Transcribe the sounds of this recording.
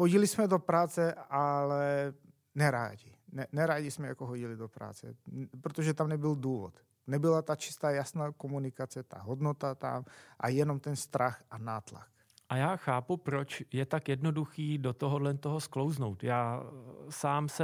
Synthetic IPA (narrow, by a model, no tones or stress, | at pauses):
hoɟɪlɪsmɛdo̞pɾaːt͡sɛalɛ | nɛɾa̰ːɟɪnɛnɛɾaːɟɪsmɛjakoɦoɟɪlɪdopɾa̰ːt͡sɛ̰pɾot̪oʒɛt̪amnɛbɪlduːvo̰t̪ | nɛbɪlat̪at͡ʃɪ̥st̪aːjasnaːkomunɪkat͡sɛt̪a̰ɦodnot̪at̪a̰mʔa̰jɛnomt̪ɛnst̪ɾaxanaːt̪la̰k | ʔajaːxaːpupɾot͡ʃjɛt̪akjɛdnoduxiːdot̪oɦodlɛnt̪oɦosklowznowt̪jaːsaːmsɛ